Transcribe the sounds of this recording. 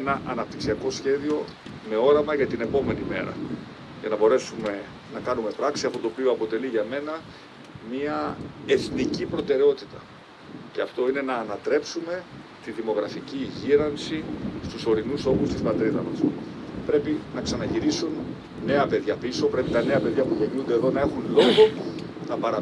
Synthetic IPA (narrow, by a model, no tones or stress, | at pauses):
enɐʔɐnɐp̚t̪iksiɐko̞sçe̞ðio̞ | me̞o̞ɾɐmɐʝɐt̪ine̞po̞me̞nime̞̰ɾɐ̰ | ʝɐnɐbo̞ɾe̞sume̞ | nɐkɐnume̞pɾɐksiɐft̪ot̪opio̞ɐpo̞t̪e̞liʝɐme̞nɐ | miɐe̞θnicipɾo̞t̪e̞ɾeo̞t̪it̪ɐ | ceɐft̪o̞ine̞nɐːnɐt̪ɾe̞psume̞t̪iðimo̞ɣɾɐficiʝiɾɐnsist̪uso̞ɾinuso̞xust̪ispɐt̪ɾiðɐ̰mɐs | pɾe̞pinɐksɐnɐʝiɾisun | ne̞ɐpe̞ðʝɐpiso̞pɾe̞pit̪ɐne̞ɐpe̞ðʝɐpuʝe̞ɲund̪e̞ðo̞nɐe̞xunlo̞ɣo̞nɐpɐɾɐ